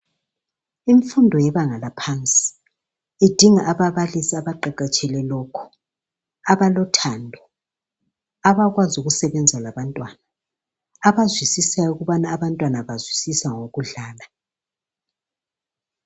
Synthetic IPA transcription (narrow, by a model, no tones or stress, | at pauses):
iɱfundʱɔjɛβaŋalapʰant͡sʼi̥ | id̥ʱiŋaʔaβaβalisiaβaǃaǃat͡ʃʼɛlɛlɔkʰɔ̥ | aβalɔtʰandʱɔ | aβaɣwazuɣusɛβɛnd͡zʱalaβantʼwana | aβazwisisajɔuɣuβanaːβantʼwanaβazwisisaŋoɣuɮaːla